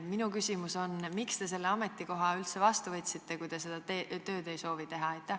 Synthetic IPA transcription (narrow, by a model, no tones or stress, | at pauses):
minukysʲimuso̞nmikst̪e̞s̬e̞lːeɑme̞t̪ːˑiko̞ɦɑylt̪se̞vɑst̪uvɤt̪ʲsit̪ːe̞kujd̪̥e̞se̞d̪̥ɑet̪ø̞ːd̪e̞jso̞ːvit̪e̞ɦɑɑjt̪ːˑæh